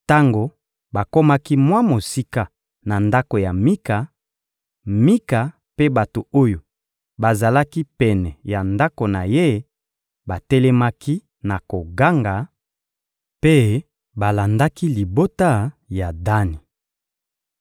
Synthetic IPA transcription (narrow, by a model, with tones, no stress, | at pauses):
ta˦ŋɡo˨ | ba˨ko˦ma˦ki˦mwa˦mo˨si˦ka˦ | na˨nda˦ko˨ja˨mi˦ka˨ | mi˦ka˨ | pe˦ba˨to˨o˦jo˨ | ba˨za˨la˦ki˦pɛ˨nɛ˨ja˨nda˦ko˨na˨je˦ | ba˨tɛ˦lɛ˦ma˦ki˦ | na˨ko˨ɡa˦ŋɡa˨ | pe˦ | ba˨la˨nda˦ki˦li˨bo˦ta˦ja˨da˦ni˨